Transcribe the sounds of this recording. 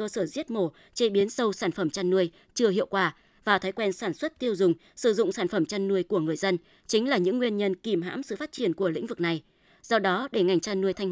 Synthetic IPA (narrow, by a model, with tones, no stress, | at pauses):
ə˧səː˧˩zi˦˥ət̚mo˧˩ | t͡ɕe˧ɓi˨˦ənsə˧wsaː˧˩nfə˧˩mt͡ɕaː˧nːu˧əj | t͡ɕɨ˧əhḭ˧˨əwkwaː˧˩ | vaː˨˩t̪ʰaː˨˦jkwɛ˧nsaː˧˩nswə˦˥t̚t̪i˧əwzʊ˨˩ŋ͡m | sɨ˧˩zʊ̰˧˨ŋ͡msaː˧˩nfə˧˩mt͡ɕaː˧nːu˧əjku˧˩əŋɨ˨˩əjzə˧n | t͡ɕï˨˦ŋ̟laː˨˩ɲɨ̰˧˥ŋːwi˧ənɲə˧nki˨˩mɦa̰ː˧˥msɨ̰˧˨faː˦˥t̚t͡ɕi˧˩ənku˧˩əlḭ̈˧˥ŋ̟vɨ˨˩k̚na˨˩j | z̥ɔ˧ɗɔ˨˦ɗe˧˩ŋa˨˩jŋ̟t͡ɕaː˧nːu˧əjt̪ʰa˧jŋ